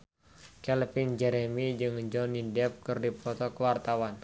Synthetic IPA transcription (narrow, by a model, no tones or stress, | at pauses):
kɛlpind͡ʒɛɾɛmid͡ʒɨŋd͡ʒɔnidɛp̚kɨrdipɔt̪ɔkəwart̪awan